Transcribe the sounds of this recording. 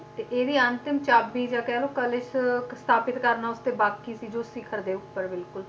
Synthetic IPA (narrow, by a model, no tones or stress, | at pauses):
t̪eːʔeːd̪iːənt̪ɪmt͡ʃaːbiːd͡ʒaːkɛːloːkəlɪʃst̪ʰaːpɪt̪kəɾnaːʊst̪eːbaːkiːsiːd͡ʒoːsɪkʰəɾd̪eːʊpːəɾbɪlkʊl